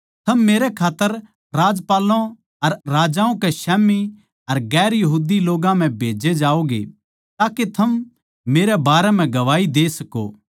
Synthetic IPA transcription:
t̪ʰɐmːeːɾɛkʰaːt̪ːəɾ | ɾaːd͡ʒpaːlõ | ɐɾːaːd͡ʒãːõkɛʃɛːmi | ɐɾɡɛːɾjɐɦuːd̪iloːɡãm̤ɛ̃bʱeːd͡ʒed͡ʒaːoɡḛ | t̪aːket̪ʰɐm | meːɾɛbaːɾɛm̤ɛ̃ɡɐʋaːid̪eːsɐko̰ː

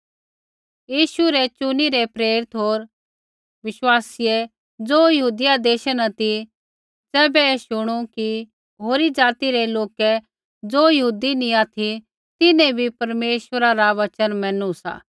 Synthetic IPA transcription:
jiːʃuɾɛt͡ʃʊniɾɛpɾeːɾɪt̪ɦoːɾ | ʋɪʃwaːsɪjɛ | d͡zoːjɐɦuːd̪ɪjad̪eːʃənɐt̪i | d͡zɛːbɛɛːʃʊɽ̃uki | ɦoːɾid͡zaːt̪iɾɛloːkɛ | d͡zoːjɐɦuːd̪inĩaːt̪ʰi | t̪ɪnɛ̃bʱipɐɾmeːʃʋəɾaɾaʋət͡ʃənmɛ̃ːnũsa̰ː

